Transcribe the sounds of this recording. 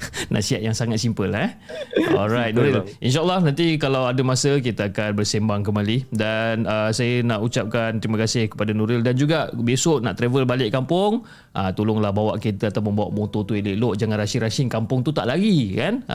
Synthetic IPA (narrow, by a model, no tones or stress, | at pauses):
nʔa̰ʔsiat̪ʔ̪̚jaŋsaŋat̪̚simpəlɛhɔlɾajt̪̚noɾilʔinʃ̬aʔlːɔhnant̪ikalawadəmasək̬it̪aakanbərsembaŋk̬əmalidanəsajənaʔut͡ʃap̚kant̪əɾiməkasɪhkə̥padanuɾɪldand͡ʒuɡabesoʔna̰ʔt̪ɾevəlbalɪʔkampʊŋ | ʔat̪ulʊŋlahbawaʔkit̪əat̪awmə̃mbawa̰ʔmot̪ot̪uelɪʔloʔd͡ʒaŋãnrasiɾasɪŋkampʊŋt̪ut̪a̰ʔlaɡikan